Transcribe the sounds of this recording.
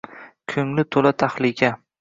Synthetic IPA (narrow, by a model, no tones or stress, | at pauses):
kʲʰɵŋlɪt̪ʰolat̪ʰaχlɪkʲʰa